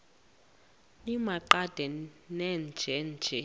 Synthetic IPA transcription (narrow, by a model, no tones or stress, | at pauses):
nimaǃad̥ʱɛnɛnd͡ʒʱɛnd͡ʒʱɛ